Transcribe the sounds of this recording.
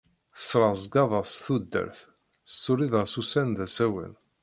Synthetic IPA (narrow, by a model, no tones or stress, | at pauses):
θəsːɾˤɑzɡɑðˤɑsθud̪ːə̰ɾθ | sːʊɾiðəʁsusænðæsæwə̰n